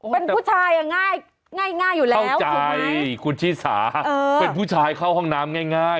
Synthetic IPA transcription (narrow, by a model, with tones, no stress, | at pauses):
pe˧npuː˥˩t͡ɕʰaː˧ja˧˩ŋːaː˥˩j | ŋaː˥˩jŋaː˥˩jːuː˨˩lɛ˥˩wwt͡ɕa˧jkʰu˧nt͡ɕʰiː˥˩sa̰ː˩˦ɤː˧pe˧npʰuː˥˩t͡ɕʰaː˧jkʰa˥˩whɔ˥˩ŋnaː˦˥mŋaː˥˩jŋaː˥˩j